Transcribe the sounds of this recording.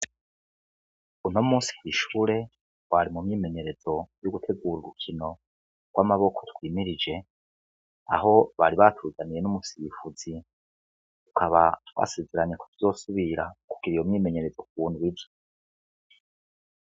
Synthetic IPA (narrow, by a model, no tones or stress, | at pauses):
un̥omuːsi̥kiʃuːɾe̞ | waɾimumɲiːme̞ɲe̞ɾe̞zo̞juɡutʰe̞ɡuːɾiɾukʰino̞ | ɡ̥wamaβo̞kʰo̞twiːmiɾid͡ʒe̞ | a̰ɦo̞βaɾiβatʰuːzanije̞numusifuzi | tu̥kʰaβatwa̰ːsezeɾaɲe̞kʰo̥tʰu̥zo̞ːsuβiɾa̰kuɡ̥iɾijomɲiːme̞ɲe̞ɾe̞zo̞k̚uβuːndiwivo